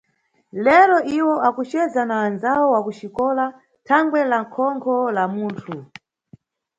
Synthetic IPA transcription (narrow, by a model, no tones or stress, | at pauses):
lɛɾɔʔiwɔʔakut͡ʃɛzanaːnzawɔwakuʃikɔla | tʰaŋɡwɛlaŋkʰɔŋkʰɔlamuːntʰu